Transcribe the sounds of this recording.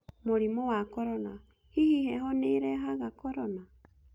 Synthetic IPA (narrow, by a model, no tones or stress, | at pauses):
moɾimɔwakɔɾɔna | hihihɛhɔneɾɛɦaɣakɔɾɔna